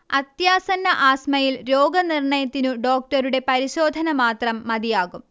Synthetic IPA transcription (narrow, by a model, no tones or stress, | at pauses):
ɐt̪jaːsɐnːɐʔaːsmɐjilɾo̞ːɡɐnirɳɐjɐt̪ːinuɖo̞ːk̚ʈɐɾuɽe̞pɐɾiɕo̞ːd̪ʱɐnɐmaːt̪rɐmːɐd̪ijaːɣum